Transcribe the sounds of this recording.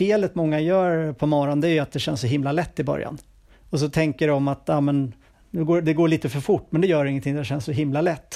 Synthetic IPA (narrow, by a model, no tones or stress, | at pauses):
feːlət̪mɔŋːajœːɾpʰɔmɑːɾand̪ɛæɾjɵat̪̚d̪ɛɕɛnsɔɦɪmlalɛt̪ːɪbœ̰ɾja̰n | ɔs̬ɔt̪ʰɛŋkəɖɔmat̪jɑːmɛn | nʉɡoːd̪ɛɡoːɭiːt̪əfœɾfʊʈːmɛnd̪ɛjœːɾɪŋːənt̪ʰɪŋd̪ɛɕɛnsɔɦɪmlalɛt̪ː